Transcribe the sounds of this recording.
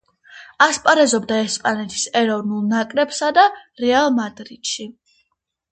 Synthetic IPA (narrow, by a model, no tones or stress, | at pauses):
aspʼaɾɛzɔbd̪aɛspʼanɛt̪ʰi̥sɛɾɔvnulˠnakʼɾɛbsad̪aɾɛalˠmad̪ɾit̪ʃi